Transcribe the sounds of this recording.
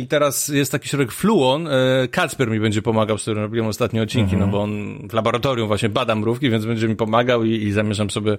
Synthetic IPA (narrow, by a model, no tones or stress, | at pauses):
it̪ɛɾasjɛst̪takʲi̥ɕɾɔɾɛkfluɔnkat̪spɛɾmʲibɛɲd͡ʑɛpɔmaɡawst̪uɾɨmɾɔbʲiwɛmɔst̪at̪ɲɛɔt̪̚t͡ɕːiŋkʲinɔbɔɔnvlabɔɾat̪ɔɾʲjumvwaɕɲɛbad̪amɾufkʲivʲjɛnd̪zbɛɲd͡ʑɛmʲipɔmaɡawiːzamʲjɛʐamsɔbʲjɛ